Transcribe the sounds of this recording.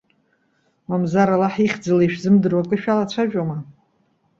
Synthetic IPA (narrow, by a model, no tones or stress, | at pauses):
wamzaɾalaħiχʲd͡zalaʃᶣzɨmdɨrwakʼɨʃᶣalat͡ɕʷʰaʒᶣʼoma